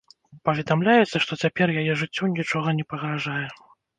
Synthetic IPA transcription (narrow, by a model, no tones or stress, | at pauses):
pɐvʲɛd̪amlʲajɛt̪sːɐʂt̪ɔt͡sʲapʲɛrjajɛʐɨt͡sʲːɔnʲit͡ʂɔɣɐnʲɛpɐɣɾaʐajɛ